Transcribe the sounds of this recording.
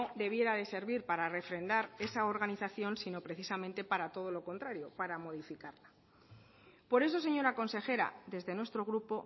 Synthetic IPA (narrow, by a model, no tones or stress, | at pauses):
oðe̞βje̞ɾaðe̞se̞ɾβiɾpaɾare̞fɾe̞nd̪aɾe̞sao̞ɾɣaniθaθjo̞nsino̞pɾe̞θisamẽnt̪e̞paɾat̪o̞ð̞o̞lo̞ko̞nt̪ɾaɾjo̞paɾamo̞ð̞ifikaɾla | po̞ɾe̞so̞s̬e̞ɲo̞ɾako̞nse̞xe̞ɾa̰ðe̞zðe̞nwe̞st̪ɾo̞ɣ̞ɾupo̞